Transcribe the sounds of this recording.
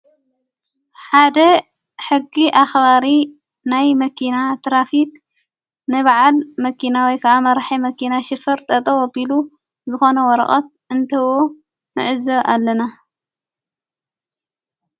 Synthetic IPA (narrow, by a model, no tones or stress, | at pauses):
ħad̪ɐ | ħɨɡːiʔaxβaɾi | najmɐkʰinat̪ʰɾafit̚ | nɨβaʕalmɐkʰinawɔjkʰɐʔamɐɾħimɐkʰinaʃɨfɐɾt̪ʼɐt̪ʼɐwobilu | zɨxo̞nɐwɔɾɐ̰χʼɐt̪̚ʔɨnt̪ʰɐwo̞ | nɨ̰ʕɨzɐβʔalːɐna